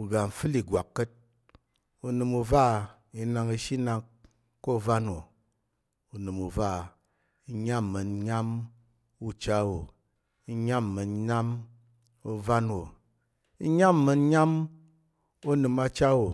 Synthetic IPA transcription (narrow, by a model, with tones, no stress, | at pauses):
u˨ɡa˨m̩˨fɨ˦li˨ɡʷa˨kːə˦t̚ | u˧nɨ˧mu˧va˦˨ | i˧na˧ŋi˧ʃi˦na˧k | ko˦˨va˦nwo˨ | u˨nɨ˨mu˨va˦˨ | i˧ɲa˦mːɨ˨nɲa˦m | u˦t͡ʃa˦wo˨ | i˧ɲa˦mː˨ɨ˨nɲa˦m | u˧va˦nwo˨ | i˦ɲa˦mːɨ˧n˦ɲa˦m | u˦nɨ˧ma˧t͡ʃa˦wo˨